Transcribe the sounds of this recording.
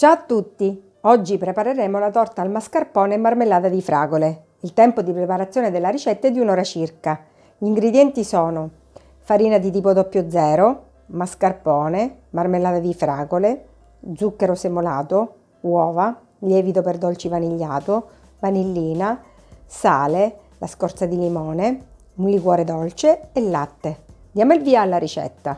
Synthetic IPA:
t͡ʃat̪ːut̪ːi | ɔd͡ʒːipɾepaɾeɾeːmolat̪ɔrt̪aːlmaskarpɔːnemarmelːaːt̪ad̪ifɾaːɡole | ilt̪ɛmpod̪ipɾepaɾat̪sːjoːned̪elːaɾit͡ʃɛt̪ːaɛd̪ːiunɔːɾat͡ʃirka | ʎiŋɡɾed̪jɛnt̪isɔːno | faɾiːnad̪it̪iːpod̪ɔpːjod̪zɛːɾo | maskarpɔːnemarmelːaːd̪ad̪ifɾaːɡole | d̪zukːeɾosemolaːt̪o | wɔːva | ʎɛːvit̪operd̪ɔlt͡ʃivaniʎːaːt̪o | vanilːiːna | saːle | laskɔrt̪sad̪ilimɔːne | mulikwɔːɾed̪ɔlt͡ʃeːlːat̪ːed̪jaːmoilviːaːlːaɾit͡ʃɛ̰t̪ːa

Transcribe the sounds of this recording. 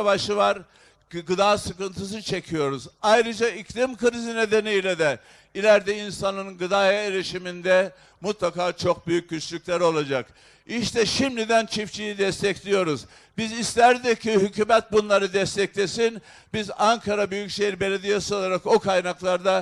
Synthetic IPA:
vaʃɯvaɾ | ɡɯd̪aːsɯkɯnt̪ʰɯs̬ɯt͡ʃʰe̞cʰijo̞ɾuzajɾɯd͡ʒaiclʲimkɯɾizine̞d̪e̞nijlʲɛd̪ɛ | ilʲæɾd̪ɛinsanɯnnɡɯd̪aɛeɾʲiʃimind̪ɛ | mut̪lˠakaːt͡ʃʰo̞k̚byjyc̚ʲːyt͡ʃlʲycʲlʲæɾo̞lˠad͡ʒak | iʃt̪ʰɛʃimlʲid̪ænt͡ʃʰift͡ʃʰijid̪ɛst̪ʰɛclʲijo̞ɾuz | bizislʲæɾd̪icʰːiɦycyːmɛt̪̚bunlˠaɾɯd̪ɛst̪ʰɛclʲesin | bizaŋkʰaɾabyjycʃejiɾbe̞lʲed̪ijasɯo̞lˠaɾakokʰajnaklˠaɾd̪a

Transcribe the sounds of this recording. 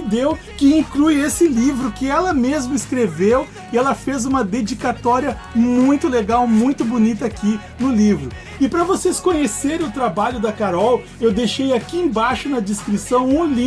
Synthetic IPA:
d̪ew | kɪĩklujesɪlivɾʊkɪɛlɐmezmʊɪskɾevew | ɪɛlɐfezũmɐd̪ed͡ʒikat̪ɔɾiɐ | mũj̃t̪ʊleɡawmũj̃t̪ʊbonit̪ɐakʰi | nʊlivɾʊ | ɪpɾɐvoseskõɲeseɾẽʊt̪ɾabaʎʊd̪ɐkaɾɔw | ewd̪ejʃejakiẽbajʃʊnɐd͡ʒ̪iskɾisɐ̃w̃ũli

